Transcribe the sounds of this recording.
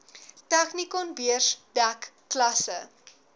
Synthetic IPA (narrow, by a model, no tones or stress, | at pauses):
tæχnikɔnbiərsdækː | lɐsə